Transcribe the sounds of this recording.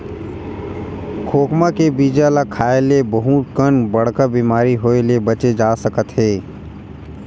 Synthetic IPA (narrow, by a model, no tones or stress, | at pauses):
kʰoːkmãkebiːd͡ʒalakʰaːelebəɦũt̪̚kəɳbɐɽ̤kabiːmaːɾiɦoːelebət͡ʃed͡ʒaːsəkət̪ɦeː